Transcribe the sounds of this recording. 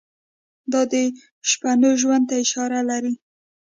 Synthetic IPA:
d̪ɑd̪ə | ʃpanoʒwand̪̚t̪aɪʃɑɾalaɾi

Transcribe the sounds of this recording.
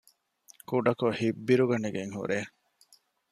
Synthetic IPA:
kuɖɐkohibːiɾuɡɐneɡeŋhṵɾe

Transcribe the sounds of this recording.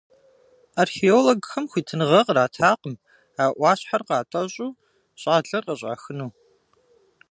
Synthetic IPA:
arxeoloɡxɐmxʷiːtʰɨnʁɐqraːtʰaːqəm | aːʔʷɑːɕħarqɑːtʼɐɕʼuː | ɕʼaːɮɐrqɐɕʷʼa̰ːxɨnuː

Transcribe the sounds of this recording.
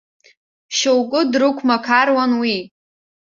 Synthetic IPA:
ʃowkʼʊdrɨkʷʰmakʰarwanwi

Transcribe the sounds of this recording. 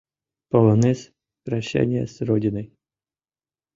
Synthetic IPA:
pəlˠɐnɛs | pɾɐɕːæ̰nʲɪjə̰sɾodʲɪnəj

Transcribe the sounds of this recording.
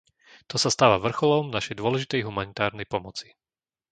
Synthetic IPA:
t̪ɔsast̪aːʋaʋr̩xɔlɔmnaʃɛjd̪ʊɔlɛʒit̪ɛjɦumanit̪aːɾnɛjpɔmɔt͡si̥

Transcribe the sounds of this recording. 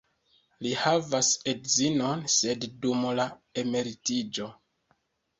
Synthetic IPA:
lihavase̞dzino̞nse̞ddumlae̞me̞ɾitid͡ʒo̞

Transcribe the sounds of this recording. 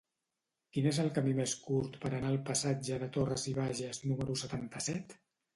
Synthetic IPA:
kinezəlˠkəmimeskuɾt̪pəɾənaəlˠpəsad͡ʒəðət̪orəziβ̞aʒəznuməɾusət̪ant̪əsɛt̪

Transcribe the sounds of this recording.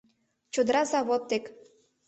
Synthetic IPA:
t͡ɕod̪ɾɑzɑβot̪ːek

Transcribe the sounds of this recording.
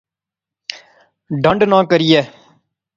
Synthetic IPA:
ɖəɳɖnãːkəɾijɛː

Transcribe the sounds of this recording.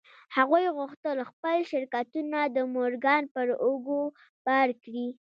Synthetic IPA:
haɣujɣʊxt̪əlxpəlʃɪɾkat̪unad̪əmoɾɡɑnpəɾoɡo | b̥aɾkɽi

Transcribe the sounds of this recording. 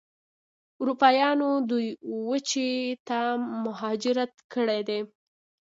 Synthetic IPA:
uɾupɑjɑnod̪ujwət͡ʃet̪amʊɦɑd͡ʒɪɾat̪kəɽed̪e

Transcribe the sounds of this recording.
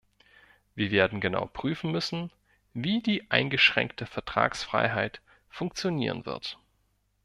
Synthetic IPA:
viːɐveːɐdn̩ɡəna̰ʊpʁ̥yːfn̩mʏsn̩ | viːdiːʔaɪnɡəʃʁ̥ɛ̰ŋktʰəfɛɐtʁ̥a̰ːksfʁ̥a̰ɪɦaɪt | fʊŋk̚t͡sjoniːʁ̞ə̰nv̥ɪ̰ɐt

